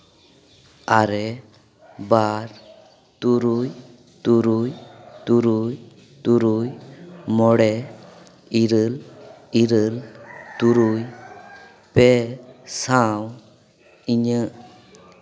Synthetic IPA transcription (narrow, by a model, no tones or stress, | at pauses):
aɾɛ | baɾ | t̪uɾuj | t̪uɾujt̪uɾuj | t̪uɾujmɔɽɛ | iɾəliɾəlt̪uɾuj | pɛsaw | iɲə